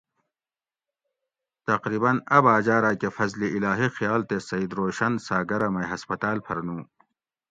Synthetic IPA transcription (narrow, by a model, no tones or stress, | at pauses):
t̪ɐqɾiːbɐnɐbaːd͡ʑaːɾaːkefɐzliilaːɦixjaːlt̪esɐid̪ɾoːɕɐnsaːɡɐɾɐmɐjɦɐspɐt̪aːlpʰɐɾnũː